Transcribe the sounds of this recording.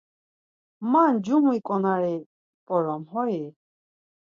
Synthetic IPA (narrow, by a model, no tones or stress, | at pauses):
mand͡ʒuɦũikʼɔnaɾɛ | pʼɔɾɔmhɔji